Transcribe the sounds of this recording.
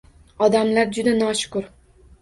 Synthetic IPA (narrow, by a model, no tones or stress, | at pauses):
ɒd̪amlaɾd͡ʒʊd̪anɒʃʊ̥kʊɾ